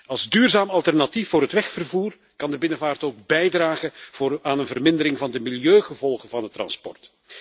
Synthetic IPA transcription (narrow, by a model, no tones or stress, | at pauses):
ɑlˠzdyːrzaːmɑlˠtɛrnɑtifːʊːɾɦətʋɛxfərvuːr | kɑndəbɪnəvaːrtoːɡ̚bɛjdraːχəaːnənvərmɪndəɾɪŋvɑndəmɪljøːχəvɔlˠχənvɑndətrɑ̰nspɔ̰rt